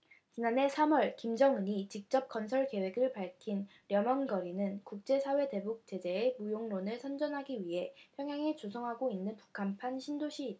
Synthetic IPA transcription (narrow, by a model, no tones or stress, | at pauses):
t͡ɕinane̞sʰamʌɭkimd͡ʑʌŋɯɲit͡ɕik̚t͡ɕ͈ʌp̚k͈ʌnsʰʌɭke̞we̞ɡɯɭpaɭkʰin | ɾjʌmʌnɡʌɾinɯnkuk̚t͡ɕ͈e̞sʰawe̞te̞buk̚t͡ɕ͈e̞d͡ʑe̞ːmujoŋɾonɯɭsʰʌnd͡ʑʌnɦaɡiɥiɦe̞pʰjʌŋjaŋet͡ɕosʰʌŋɦaɡoinːɯnpu̥kʰanpʰanɕʰindoɕʰiːd